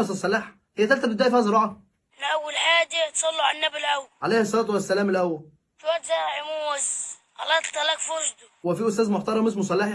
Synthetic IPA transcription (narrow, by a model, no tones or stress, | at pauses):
ɑsɑsˤːɑlːeːħ | hɪjæt̪ælt̪æbɪd̪æːjfihæzˤeɾɑːʕɑ | lʔæwːælħaːd̪it̪sˤɑlːuʕalnːæbɪlʔæwʕalæjhɑsˤːɑlɑːt̪wæsːælæːmɪlʔæwːæl | fwæt̪zæʕimuz | ʔɑ̰lːɑːt̪t̪ˤːɑlækfoɾʃd̪uwɪfiːʔʊst̪æːzmʊħt̪ɑɾˤɑmɪs̬mʊsˤɑlːeħ